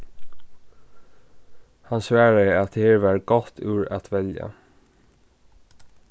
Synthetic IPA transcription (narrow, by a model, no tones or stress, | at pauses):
hɑnsʋæːɹəɛɑt̪̚heːɹʋæːɾɡɔt̪ʰʉːɹɑ̰t̪ʰʋɛljə̰